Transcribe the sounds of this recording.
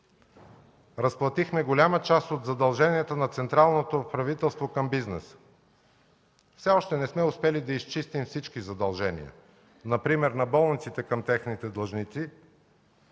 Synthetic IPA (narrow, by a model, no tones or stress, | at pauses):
ɾɐsplˠɐt̪ixmɛɡolʲamət͡ʃast̪od̪zɐd̪ɐlˠʒɛniɛt̪ənɐt̪sɛnt̪ɾalˠnot̪opɾɐvit̪ɛlˠst̪vokɐmbiznɛ̰s | fsɛɔʃt̪ɛnɛsmɛʊspɛlid̪ɐist͡ʃist̪imfsit͡ʃkizɐd̪ɐlˠʒɛnḭə̰ | nɐpɾimɛɾnɐbɔlˠnit̪sit̪ɛkɐmt̪ɛxnit̪ɛd̪lˠɐʒnit̪si